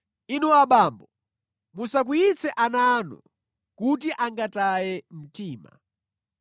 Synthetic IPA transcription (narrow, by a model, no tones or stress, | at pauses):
inɔaɓaːmbɔ | musak̬uit͡sʰɛʔanaːnɔ̰ | kut̬iʔaŋɡatajɛm̩tiːma̰